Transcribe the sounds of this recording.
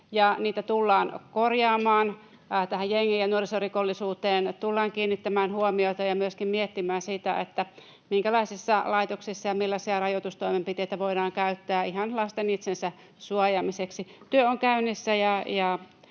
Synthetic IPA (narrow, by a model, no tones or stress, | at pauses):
jɑniːt̪æt̪ulːɑːnkorjɑːmɑːn | t̪æhæjjeŋːiːjjɑnuorisorikolːisuːt̪eːnt̪ulːɑːŋkiːnːit̪ːæmæːnhuomioit̪ɑjɑmyøskimmiet̪ːimæːnsit̪æ̰ḛt̪ːæ | miŋkælɑisisːɑlɑit̪oksisːɑjɑmilːɑsiɑrɑjot̪ust̪oimempit̪eit̪æʋoidɑːŋkæyt̪ːæːihɑnlɑst̪enit̪sensæ | suɑjɑmiseksit̪yøoŋkæynːisːæjɑjɑ